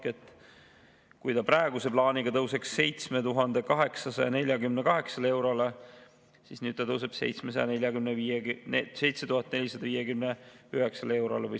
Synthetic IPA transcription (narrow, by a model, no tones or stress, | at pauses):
ket̪ːˑ | kujt̪ɑprɾɑeɡ̥use̞plɑːniɡ̥ɑt̪ɤwse̞ksːe̞jt̪sme̞t̪uɦɑnd̪e̞kɑɦe̞ksɑsɑjɑne̞lʲjɑɡymnekɑɦe̞ksɑlee̞wɾole | sisnyːd̪̚t̪ɑt̪ɤws̬eb̥se̞̰jt̪smesɑjɑ̰ne̞lʲjɑɡymneviːese̞jt̪set̪uhɑt̪ːˑne̞lʲisɑd̪ɑviːje̞kymneyɦeksɑlee̞wɾo̰levɤj